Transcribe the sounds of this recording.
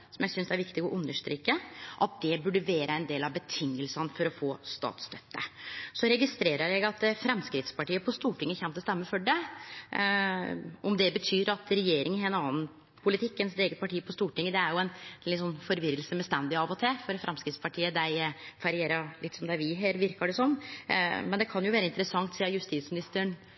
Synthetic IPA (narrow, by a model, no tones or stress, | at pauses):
sɔmjæɪsʏnsæɾʋɪkt̪ɪɡɔʔʉnːəʂʈɾiːkːəʔɑt̪̚d̪ɛbʉɖəʋeːɾəɛnd̪eːlɑʋbət̪ʰɪŋːəlsɑnəfɔɾɔfoːst̪ɑ̰ːt̪st̪œt̪ːəsɔɾɛɡɪst̪ɾeːɾəɾjæɪɡɑt̪fɾɛmskɾɪt̪spɑʈiːəpʰɔst̪uːʈʰɪŋːəçɛmt̪əst̪ɛmːəfɔɖɛ | ʔɔmd̪ɛbət̪ʰyːɾɑt̪ɾɛjeːɾɪŋəɛnɑːn̩ | pʰʊlɪt̪ʰɪkːənsd̪eːɡət̪̚pʰɑʈiːəpʰɔst̪uːʈɪŋːəd̪ɛæɾjʊɛnɪsɔnːfɔɾʋɪɾəlsəmɛst̪ɛnd̪ɪɑʋɔt̪ʰeːfɔɾfɾɛmskɾɪt̪spʰɑʈʰiːəd̪æɪfɑɾɪeːɾɑɾɭɪt̪ːsɔmd̪ɛæʋɪɦeːɾʋɪɾkɑɖɛsɔnːmɛnd̪ɛkʰɑnjʊʋæːɾəɪnt̪əɾəsɑŋt̪siːɑjʉst̪iːt̪smɪnɪst̪əɳ